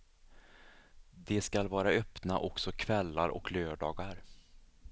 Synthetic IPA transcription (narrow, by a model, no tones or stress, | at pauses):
d̪ɛskalvɑːɾaœpnaʔɔksɔkʰvɛlːaɾɔ̰kløːɖɑːɡaɾ